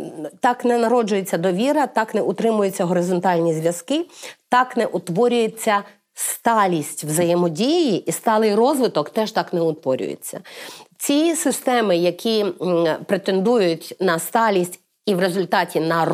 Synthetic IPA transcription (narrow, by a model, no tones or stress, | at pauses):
t̪ɑknɛnɐɾɔd͡ʒʊjet͡sʲːɐd̪ɔʋʲiɾɐt̪ɑknɛʔʊt̪ɾɪmʊjet͡sʲːɐɦɔɾɪzɔnt̪ɑlʲnʲizʲʋʲjɐzkɪt̪ɑknɛʔʊt̪ʋɔɾʲʊjet͡sʲːɐ | st̪ɑlʲisʲtʲwzɐjemɔdʲijiʔist̪ɑlˠɪjrɔzʋɪt̪ɔkt̪ɛʒt̪ɑknɛʊt̪ʋɔɾʲʊ̰jḛt͡sʲːɐ̰t͡sʲisɪst̪ɛmɪjɐkʲipɾet̪e̞nd̪ujʊtʲnɐst̪ɑlʲisʲtʲ | iʋɾezʊlʲt̪ɑtʲinɐ